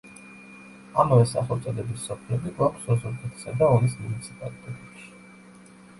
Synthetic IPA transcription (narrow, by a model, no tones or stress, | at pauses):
amavɛsa̰χɔt̪sʼɔd̪ɛbisːɔpʰlɛbiɡwakʰsɔzuɾkʰʼɛt̪ʰi̥sad̪aɔnismunit̪sʰipʼalit̪ʼɛt̪ʼɛpʃi̥